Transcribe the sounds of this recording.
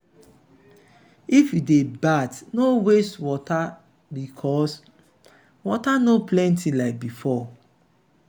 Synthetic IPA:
ifjudebatnowestwɔta | bikʰɔs | wɔtanoplɛ̃ntilaɪk̚bifɔ

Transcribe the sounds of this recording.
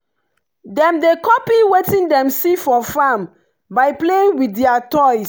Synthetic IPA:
dɛ̃mdekɔpiwetĩndɛ̃msifɔfãm | baɪpleĩŋwidɛatɔj

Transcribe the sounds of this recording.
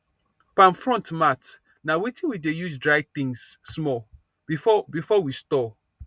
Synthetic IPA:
pãnfɹɔ̃ntmat | nawitĩnwidejuzdɹaɪt̪ĩŋsːmɔ | fbifɔwistɔ

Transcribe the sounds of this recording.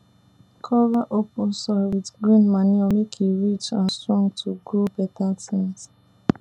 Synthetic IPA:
kʰɔvaʔopʊsɔwitɡɹĩnmaniɔmekʰiɹit͡ʃãnstɹɔ̃ŋtʰuɡobɛtatit

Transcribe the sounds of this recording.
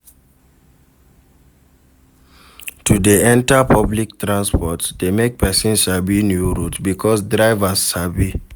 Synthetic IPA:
tʰudeɛ̃ntapʰablik̚tɹãnspɔtdemek̚pʰɛsĩnʃabinjuɹutbikʰɔsdɹaɪvasːabi

